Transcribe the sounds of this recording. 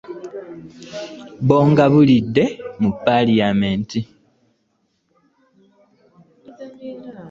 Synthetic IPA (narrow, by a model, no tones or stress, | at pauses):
βoːŋɡaβulidːe̞mupːalijamenti